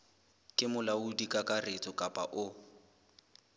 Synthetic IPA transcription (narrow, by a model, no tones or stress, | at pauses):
kʼɪmʊlaudikʼakʼaret͡sʼʊkʼapʼa̰ʔʊ